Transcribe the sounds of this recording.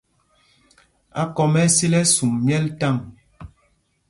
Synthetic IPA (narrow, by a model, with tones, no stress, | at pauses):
a̰˨kɔ˨mɛ˦si˦lɛ˦su˨mmjɛ˦lta˦˨ŋ